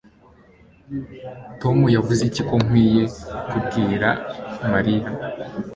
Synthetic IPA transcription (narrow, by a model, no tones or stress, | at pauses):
to̞mujavuziciko̞ŋ̥wiːje̞kubɡiːɾamaɾija